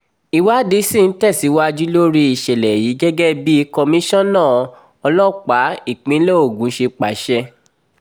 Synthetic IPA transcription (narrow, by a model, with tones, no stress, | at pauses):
i˧wa˦de˧˦sĩ˦˨n̩˦tɛ˦˨si˨˦wa˦d͡ʒi˦lo˦ɾi˦i˨ʃɛ˨lɛ˨ji˨˦ɡɛ˦ɡɛ˦bi˦i˧kɔ˧mĩ˦ʃɔ̃˦nãː˦˨ | ɔ˧lɔ̃˦k͡pa˨˦i˦˨k͡pĩ˨˦lɛ˦o˦˨ɡũ˨˦ʃe˧k͡pa˨˦ʃɛ˧